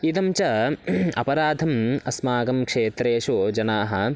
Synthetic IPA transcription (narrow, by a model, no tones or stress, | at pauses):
it̪ɐmt͡ʃɐɐ̰pɐɾaːd̪ʱɐmɐsmaːɡɐmkʂeːt̪ɾeːʂud͡ʒɐnaːɦɐ